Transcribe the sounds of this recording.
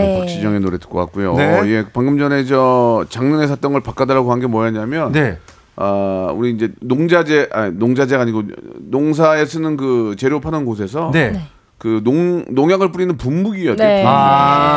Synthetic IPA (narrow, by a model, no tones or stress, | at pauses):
pak̚ɕ͈id͡ʑʌŋenoɾe̞tɯ̥k͈ʌk͈ak͈ujoeiɡe̞paŋɡɯmd͡ʑʌned͡ʑʌt͡ɕaŋnɯne̞s̬ʰat͈ʌŋɯɭpak͈adaɾaɡoɦanɡe̞mwʌjʌɲamjʌne | auɾiːnd͡ʑe̞noŋd͡ʑad͡ʑeʔanoŋd͡ʑad͡ʑeɡaɲiɡonoŋs̬ʰae̞sʰɯnɯnkɯt͡ɕe̞ɾjopʰanɯnɡosʰe̞s̬ʰʌne | kɯnoŋnoŋjaɡɯɭp͈uɾinɯnpumbuɡijʌea